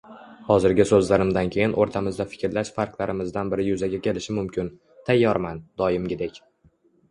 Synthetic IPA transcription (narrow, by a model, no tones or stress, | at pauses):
hɒzɪɾɡʲɪsɵzlaɾɪmd̪ankʲʰe̞jɪnʔoɾt̪ʰamɪzd̪afɪ̥kʲɾlaʃfaɾklˠaɾɪmɪzd̪anbɪɾɪjʊzaɡʲakʲʰe̞lɪʃɪmʊmkʲʰɪn | t̪ʰajːɒɾmand̪̥ɒjɪmɡʲɪd̪ekʲ